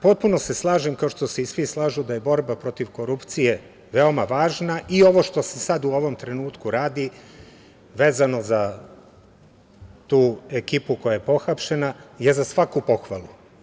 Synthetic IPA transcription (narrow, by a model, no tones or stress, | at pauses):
po̞t̪̚puno̞se̞slˠaːʒemkao̞ʃt̪ose̞isʋislˠaːʒud̪aje̞bo̞ɾbapɾo̞t̪iʋko̞ɾupt̪sije̞ | ʋeo̞maʋaːʒnaʔio̞ʋo̞ʃt̪o̞se̞sad̪uo̞ʋo̞mt̪ɾe̞nuːt̪kuɾaːd̪i | ʋe̞ːzano̞za | t̪uːe̞kipuko̞jaje̞po̞xapʃe̞naje̞zasʋakupo̞xʋalˠu